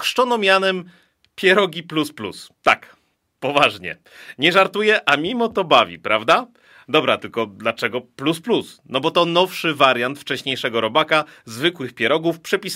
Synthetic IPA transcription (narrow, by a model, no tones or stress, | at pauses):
kʂt͡ʂɔnɔmʲjanɛm | pʲjɛɾɔɡʲiplusplṵst̪a̰k | pɔvaʐɲɛ̰ | ɲɛʐaɾt̪ujɛʔamʲimɔt̪ɔbavʲḭpɾavd̪a | d̪ɔbɾat̪ɘlkɔd̪lat͡ʂɛɡɔplusplusnɔbɔt̪ɔnɔfʂɘvaɾjant̪ft͡ʂɛɕɲejʂɛɡɔɾɔbakazvɘkwɘxpʲɛɾɔɡufpʂɛpʲis